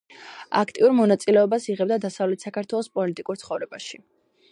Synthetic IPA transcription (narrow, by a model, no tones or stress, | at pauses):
a̰kʰt̪ʼiuɾmɔnat̪sʼilɛɔbasiʁɛbd̪ad̪asavlɛt̪ʰsakʰaɾt̪ʰwɛlˠɔspʼɔlit̪ʼikʼuɾt̪sʰχɔvɾɛbaʃi